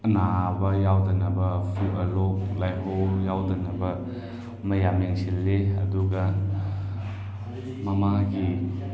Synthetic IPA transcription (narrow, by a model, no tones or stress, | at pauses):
ɐnabɐjawdɐnɐbɐpʰiwɐlok̚lajɦojawdɐnɐbɐ | mɐjameŋsilːeɐ̰duɡɐ | mɐmaɡi